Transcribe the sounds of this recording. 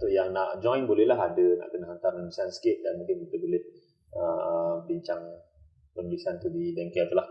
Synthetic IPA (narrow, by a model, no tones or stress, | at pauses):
t̪ʊjaŋnaʔd͡ʒɔ̃jnbolɛhlaɦadənã̰ʔkənahɦant̪arnəmisansə̥kɪt̪̚danmũŋkɪnkit̪əbolɛh | ʔəməbiɲt͡ʃaŋ | pənulisant̪udidɛŋkɛat̪əlah